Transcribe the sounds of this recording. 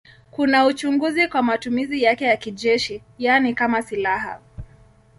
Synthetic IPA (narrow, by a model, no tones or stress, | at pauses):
kunaut͡ʃuŋɡuzikwamatumizijakɛjakiʄɛʃi | janikamasilaɦa̰